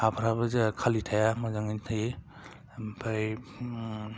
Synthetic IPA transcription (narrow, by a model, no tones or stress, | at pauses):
apʰɾabazekʰalitʰajamɔzaŋintʰaj | pʰaj